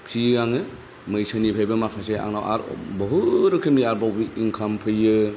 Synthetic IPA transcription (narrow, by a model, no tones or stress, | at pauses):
kʰiɡaŋɯ | mɯjsʰanipʰajbɐmakʰasea̰ŋnawʔa̰ɾ̰bɐɦuɾɯkʰɯmniaɾbawbiiŋkʰampʰɯjɯ